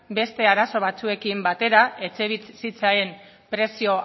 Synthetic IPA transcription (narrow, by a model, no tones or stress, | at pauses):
be̞st̪e̞aɾaso̞βat͡sue̞kimbat̪e̞ɾae̞t͡seβit͡ssit͡saem | pɾe̞sio̞